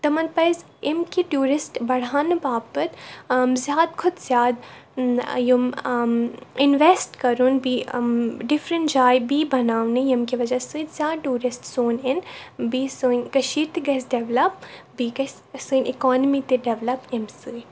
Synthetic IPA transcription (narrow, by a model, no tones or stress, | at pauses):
t̪ɐmɐnpɐz | ɪmkiʈuːɾɪsʈbɐɽ̤aːnubaːbət̪mzjaːd̪kʰʊd̪z̥ʲjaːd̪ | jum | ɪnʋesʈkɐɾunbiːɖɪfɾəɳʈd͡ʒaːjbiːbɐnaːwnẽjɐmkiʋɐd͡ʒɐsɨt̪zjaːdʈuːɾɪsʈsoːnɪnbiːsonkɐʃiːɾt̪eɡɐsɖɛʋlɐp̚ | biːkɐs | sɨnʔɪkɔːnmit̪eɖeʋlɐpɪmsɨ